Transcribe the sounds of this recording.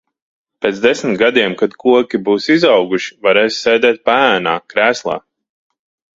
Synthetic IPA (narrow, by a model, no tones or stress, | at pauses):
peːt̪sd̪esmʲt̪ɡad̪iɛmkad̪kʰuɔkʲibuːsizɑwɡuʃi̥vaɾeːssɛːd̪ɛːt̪̚paæːna̰ːkɾæːslˠa̰ː